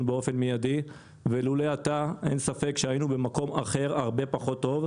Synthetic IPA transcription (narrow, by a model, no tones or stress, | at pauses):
beofe̞nmejadi | veluleat̪aʔe̞̰nsafe̞kʃeajinube̞mako̞ma̰χe̞ʁaʁbe̞paχo̞t̪ːo̞v